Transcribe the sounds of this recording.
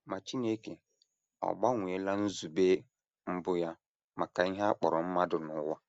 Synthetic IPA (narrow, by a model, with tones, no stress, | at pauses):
ma˨t͡ʃi˦ne˦ke˨ | ɔ̰˨ba˦ŋʷi˨e˦la˦n̩˦zu˨be˦ | m̩˦bʊ˦ja˦ | ma˨ka˨i˦ɦa˦k͡pɔ˨ɾɔ˨m̩˦ma˦dʊ˨nʊ˨˦wa˦